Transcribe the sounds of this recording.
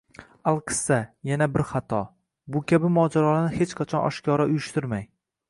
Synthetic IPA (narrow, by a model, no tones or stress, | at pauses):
alˠqʰɨ̥sːajanabɪɾχat̪ʰɒ | bʊkʲʰabɪmɒd͡ʒaɾɒlanɪhe̞t͡ʃqʰat͡ʃʰɒnɒ̰ʃkʲʰɒɾaʊjʊʃt̪ɪɾmaj